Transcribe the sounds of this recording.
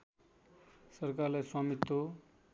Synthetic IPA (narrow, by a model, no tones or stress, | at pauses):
sʌrkarlajswamit̪ːo